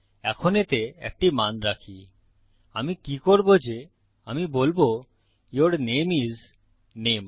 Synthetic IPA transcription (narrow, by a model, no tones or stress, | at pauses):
ɛkʰonet̪eɛ̰k̚ʈimanɾakʰi | amikikoɾbod͡ʑe | amibolbo | joɾnemiz | nem